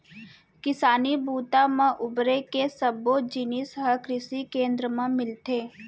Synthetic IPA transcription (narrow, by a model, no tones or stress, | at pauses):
kɪsaːnibuːt̪amãʔʊbɾekesəbod͡ʒinisɦəkɾɪsikẽːnd̪ɾəmẽmɪlt̪eː